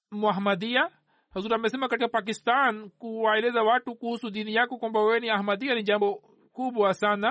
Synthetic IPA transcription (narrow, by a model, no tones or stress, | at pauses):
muaɦmad̪ia | hazuɾamɛs̬ɛmakaʈikapak̬ist̪ankuwaɛlɛzawaʈukuhusud̪inijakɔkwãmbawɛniaɦmad̪ianid͡ʒambɔ | kubɔasana